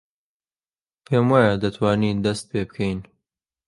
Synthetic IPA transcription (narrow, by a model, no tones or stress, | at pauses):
pʰeːmwaːjad̪ɐt̪ʰwaːniːd̪ɐst̪̚pebkʰɛjn